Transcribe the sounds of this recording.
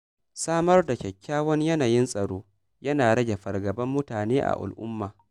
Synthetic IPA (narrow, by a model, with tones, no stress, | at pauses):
saː˦mɐ˦rda˨kʲɐ˨kʲːaː˦wɐ˦ɲjɐ˦naː˨jɪ˦nsʼɐ˨ɽoː˦ | jɐ˦naː˨ɽɐ˦ɡʲe˨ɸɐ˨rɡɐ˨bɐ˦mːʊ˦taː˨neː˦ʔa̰˨ʔa̰˨lʔʊ̰˦mːaː˨